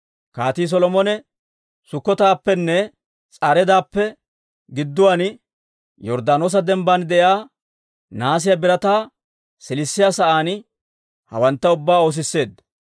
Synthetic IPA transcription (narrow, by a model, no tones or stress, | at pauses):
kaːt̪iːs̬ɔlɔmɔnɛ | sʊkːɔt̪aːpːɛnːɛ | t͡sʼaɾɛd̪aːpːɛ | ɡɪd̪ːʊwaːn | jɔɾd̪aːno̞ːs̬ɐd̪ɛmband̪ɛjaː | naːs̬ɪjɐbɪɾɐt̪aː | sɪlɪsːɪjaːsɐʔaːn | hɐ̰wɐnt̪ːɐʊbːaːo̞ːs̬ɪsːe̞ːd̪ɐ